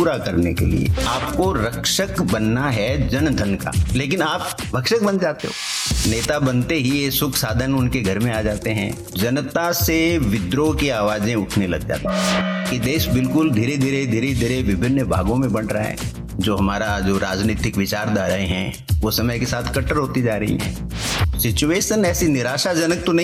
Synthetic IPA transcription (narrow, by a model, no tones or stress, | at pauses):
puːɾakɐɾnḛkḛlḭḛaːp̚koɾɐkʃəkbɐnːaɦɛd͡ʒɐnd̪ʱənka̰ːleːkɪnaːp̚ | bʱɐkʃək̚bɐ̃nd͡ʒaːt̪eɦo̰ːneːt̪abɐnt̪eɦiesʊkʰsaːd̪ʱənʊnkeɡʱɐɾmẽaːd͡ʒaːt̪eɦɛ̰̃ː | d͡ʒɐnt̪aseʋɪd̪ɾokiaːʋaːd͡ʒẽʊʈʰnelɐ̰ɡd͡ʒa̰ːt̪aɦɛ̃kid̪eːʃbɪlkʊld̪ʱiːɾed̪ʱiːɾed̪ʱiːɾed̪ʱiːɾeʋɪbʱɪnːəbʱa̰ːɡõmẽbɐɽɾaa̰ɦɛ̰ː | d͡ʒoːɦɐmaːɾad͡ʒoːɾaːd͡ʒniːt̪ɪkʋɪt͡ʃaːɾd̪aːɾɐɦeɦɛ̰̃ | ʋosɐməjkesaːt̪ʰkɐʈːəɾɦoːt̪id͡ʒaːɾɐɦḭɦɛ̰̃ː | sɪt͡ʃueːʃənɛːsinɪɾaːʃad͡ʒɐnək̚t̪onɐɦĩ